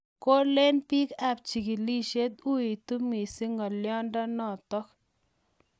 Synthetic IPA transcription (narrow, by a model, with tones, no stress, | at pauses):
ko˦le˦npi˦ka˦p̚t͡ʃi˨ki˨li˦ʃe˦t̪u˦i˨t̪u˦mi˨si˦ŋɔ˨ljɔ˦ndɔ˦nɔ˦˨t̪ɔ˦k